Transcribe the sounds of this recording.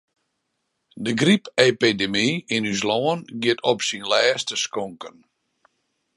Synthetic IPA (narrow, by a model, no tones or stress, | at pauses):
dəɡripepidemiinys̬lɔənɡɪtʰɔpsinlɛːstəskɔŋkən